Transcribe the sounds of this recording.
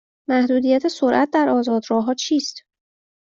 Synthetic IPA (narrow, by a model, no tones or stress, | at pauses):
mæhd̪uːd̪ijæt̪ʰesoɾʔæt̪̚d̪æɾʔɒːzɒːd̪ɾɒːɦɒːt͡ʃʰiːst̪